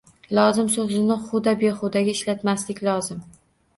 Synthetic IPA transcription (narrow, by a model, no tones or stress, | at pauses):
lˠɒzɪmsozɪnɪχʊd̪abeχʊd̪aɡʲaɪʃlat̪maslɪkʲlɒzɪm